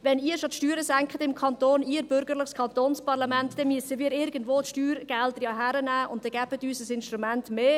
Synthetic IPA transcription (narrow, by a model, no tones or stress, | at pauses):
vɛniːəɾʃotʃtyːɾəsæŋkχədɪmkʰɑntoːniːɾb̥ʏɾɡərləχskʰɑntoːnspɑʁlɑmɛntdɛmyəsəviːɾɪɾɡən̩dvoːtʃtyːɾɡ̥ɛld̥əɾjɑːɦæɾənæːʔʊnt̚dɛɡ̥æːbətyːsəsɪnʃtɾumɛntmeː